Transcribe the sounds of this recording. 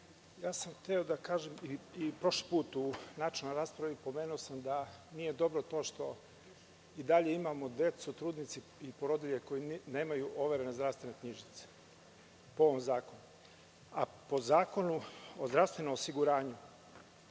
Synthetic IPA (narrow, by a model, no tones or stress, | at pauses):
jaːsamxt̪eo̞d̪akaːʒemiipɾo̞ʃlipuːt̪unat͡ʃnojɾaːspɾaʋipo̞me̞ːnuosamd̪anije̞d̪o̞bɾot̪o̞ːʃt̪o̞ | id̪aʎe̞imamod̪e̞t̪sut̪ɾuːd̪nit̪si | ipoɾod̪iʎeko̞jine̞ːmajuʔo̞ʋeɾe̞nezd̪ɾast̪ʋe̞nekɲiʒit̪se̥ | pooʋomzaːko̞nu | a | po̞zaːko̞nuozd̪ɾaʋst̪ʋe̞nomosiɡuɾaːɲu